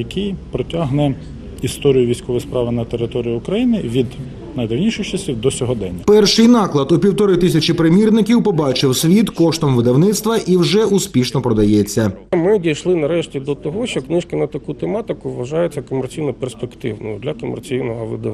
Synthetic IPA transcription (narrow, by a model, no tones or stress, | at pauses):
jɐkʰʲijpɾɔtʲaɦnɛ | ist̪ɔɾʲijʊʋʲijsʲkɔʋɪjspɾɑʋɪnɐt̪eɾɪt̪ɔɾʲijiʊkɾɐjinɪʋʲid̪ | nɐjd̪ɐwnʲiʃɪjt͡ʃɐsʲiwd̪ɔsʲɔɦɔd̪ɛnʲːɐpɛrʃɪjnɑklˠɐd̪ʊpʲiwt̪ɔɾɪt̪ɪsʲɐt͡ʃipɾɪmʲirnɪkʲiwpɔbɑt͡ʃɪwsʲʋʲit̪kɔʃt̪ɔmʋɪd̪ɐwnɪt̪st̪ʋɐʔiwʒɛuspʲiʃnɔpɾɔd̪ɐjɛt͡sʲːɐmɪdʲijʃlˠɪnɐɾɛʃtʲid̪ɔt̪ɔɦɔʃt͡ʃɔknɪʃkɪnɐt̪ɐkut̪emɑt̪ɪkʊʋʋɐʒɑjet͡sʲːɐkɔmert͡sʲijnɔperspekt̪ɪwnʊ̰jʊd̪lʲɐkɔmḛrt͡sʲijnɔɦɔʋɪ̰d̪ɐ